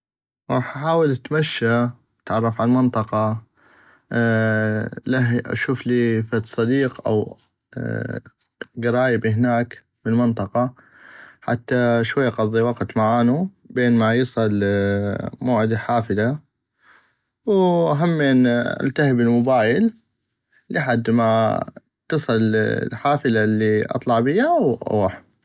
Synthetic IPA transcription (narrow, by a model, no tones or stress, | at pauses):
ɾˤɑ̰ːħʔaħaːwɪlʔat̪maʃːa | at̪ʕɑrˤːɑfʕalmɪnt̪ˤɑqɑ | laɦʔa̰ʃuːfliːfat̪sˤɑd̪iːqʔa̰w | ɡɪɾˤɑːjɪbɦɪnaːk | mɪlmɪnt̪ˤɑqɑ | ħa̰t̪ːaʃwajːaqɑðˤːiwɑqt̪maʕaːnu | beːnmajɨsˤɨl | moːʕɪd̪aħaːfɪla | wʔaɦamːinʔa̰lt̪ahɪbɪlmʊbaːjɪlː | ɪħad̪ːma | t̪ɨsˤɨl̰lħaːfɪlalːiʔɑ̰t̪ˤlɑʕbɪjːaʔwʔa̰waħ